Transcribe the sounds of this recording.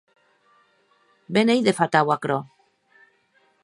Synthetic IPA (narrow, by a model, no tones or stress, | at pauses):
benejðefat̪awakɾo